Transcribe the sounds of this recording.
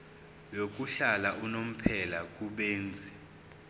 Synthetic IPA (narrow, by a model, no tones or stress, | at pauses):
jok̬ʼuɬalaunom̩pʰɛlak̬ʼuɓeːnd͡zʱi